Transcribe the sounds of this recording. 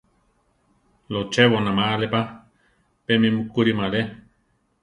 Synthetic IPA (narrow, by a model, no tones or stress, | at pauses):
lot͡ʃeβonamalepa | pemimukuɾimale